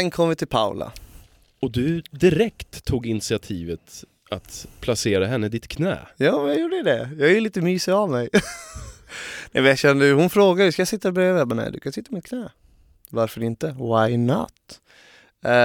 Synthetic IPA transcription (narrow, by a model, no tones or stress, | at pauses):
ɛnkʰɔmːəvɪt̪ʰɪlpʰa̰ʊla̰ | ɔd̪ɵd̪ɪɾɛkt̪ʰːuːɡɪnsɪat̪ʰiːvət̪ | at̪pʰlaseːɾaɦɛnːəd̪ɪt̪kʰnɛ̰ːjɑːmɛnjajuːɖəɛd̪ɛjɑːɡjɪliːt̪əmyːsɪavmɛj | nɛ̰mɛjaʃɛnːd̪əhʊnfɾoːɡaskajasɪt̪ːabœjavɛbanɛ̰ɪd̪ʉ̰kʰansɪt̪ːamɪt̪̚kʰnɛː | vaɾfœɾɪnt̪əvajnɔ̰t̪